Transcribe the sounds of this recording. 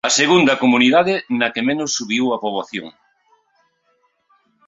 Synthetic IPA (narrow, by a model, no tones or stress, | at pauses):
ɐseɣund̪ɐkomuniðaðɪnɐkemenosːuβiwɐpoβ̞oθjo̰ŋ